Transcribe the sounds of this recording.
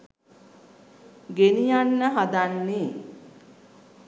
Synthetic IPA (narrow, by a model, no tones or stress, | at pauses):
ɡenijanːəɦad̪anːeː